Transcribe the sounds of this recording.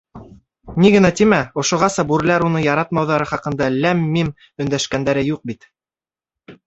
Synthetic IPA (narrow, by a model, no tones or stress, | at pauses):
niɡɘ̆næt̪imæŏʃŏʁɑsɑbuɾlæɾunɤjɑɾɑt̪mɑwðɑɾɤχɑqɤ̆nd̪ɑlæmːim | ɵ̆nd̪æʃkænd̪æɾɘjuq̚bit̪